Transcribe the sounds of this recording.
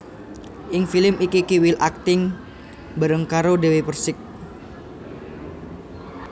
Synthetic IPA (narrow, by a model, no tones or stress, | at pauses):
ʔɪŋfilɪmikikiwilʔak̚t̪ɪŋ | bəɾəŋkaɾodewepərsɪk̚